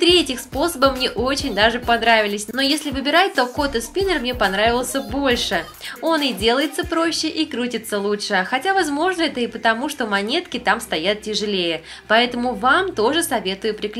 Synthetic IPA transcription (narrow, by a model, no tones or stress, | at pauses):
t̪ɾʲɪɛtʲɪxspo̞səbəmnʲeʔo̞t͡ɕɪnʲd̪aʐɨpɐnɾavʲɪlʲɪsʲno̞jesʲlʲɪvɨbʲɪɾat̚ʲt̪o̞ko̞t̪ɨspʲinərmnʲepɐnɾavʲɪlˠsʲəbo̞lʲʂɨ | o̞nɪdʲe̞lˠəjɪt̪səpɾo̞ɕːɪʔikɾutʲɪt̪sːəlˠuʂɨxɐtʲavɐzmo̞ʐnəɛt̪əipət̪ɐmuʂt̪o̞mɐnʲe̞t̪kʲɪt̪amst̪ɐjat̪̚tʲɪʐɨlʲejə | pɐɛt̪əmʊvamt̪o̞ʐɨsɐvʲe̞t̪ʊjʊpɾʲɪk